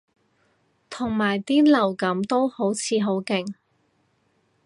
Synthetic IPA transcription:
t̪ʰʊ˨˩ŋmaː˨˩jt̪iː˥lɐ˨˩wkɐ˨˥mt̪o˥who˨˥wt͡sʰiː˨˧ɦo˨˥wkɪ˨˩ŋ

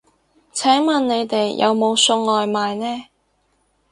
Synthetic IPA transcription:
t͡sʰɛː˨˥ŋmɐ˨nne˨˧jt̪e˨jjʔɐ̰˨˧wmo˨˧wsɵ˧ŋlɔː˨jmaː˨jnɛː˥

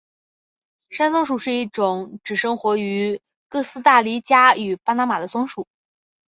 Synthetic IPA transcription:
ʂa˥nsʊ˥ŋʂu˨˩ʂɻ̩˥˧i˥˩ʈ͡ʂʊ˨˩˦ŋʈ͡ʂɻ̩˨˩ʂɤ˥ŋxwɔ˧˥y˧˥ | kɤ˥˩sɹ̩˥t̪a˥˩li˥t͡ɕja˥y˨˩pa˥na˧˥ma˨˩d̪ə˦sʊ˥ŋʂu˨˩˦

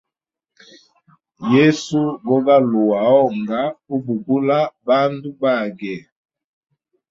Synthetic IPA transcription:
je˦su˦ɡɔ˦ɡa˦lu˨wa˨ɔ˦˨ŋɡa˦u˦bu˨ɡu˦la˦ba˦n˦du˦ba˦˨ɡɛ˨

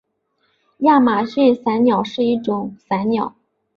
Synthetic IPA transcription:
ja˥˩ma˨˩ɕy˥˩nsa˧˥ɪnjɑ˨˩ʊʂɻ̩˥˧i˥˩ʈ͡ʂʊ˨˩˦ŋsa˧˥ɪnjɑ˨˩˦ʊ

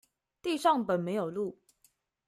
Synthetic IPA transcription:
t̪i˥˧ʂɑ˥˩ŋpə˨˩nme˨˧˥ɪjo˨˩ʊlu˥˩

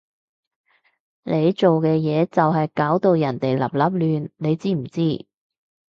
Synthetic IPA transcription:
nʔe˨˧jt͡ʃo˨wkɛː˧jɛː˨˧t͡sɐ˨wɦɐ˨jkaː˨˥wt̪o˨˧wjɐ˨˩nt̪e˨jlɐ̰˨˩p̚lɐ˨˥p̚lyː˨nne˨˧jt͡siː˥m̩˨˩t͡siː˥

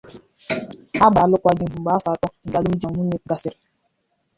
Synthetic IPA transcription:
a˦ba˨lʊ˦kʷa˦ɡɪ˦˨m̩˨ɡ͡ba˦sa˨˦tɔ˦ŋ̩˨ɡa˨lʊ˦m̩˦d͡ʒa˨ŋu˦ɲe˦ɡa˦sɪ˦ɾɪ˨

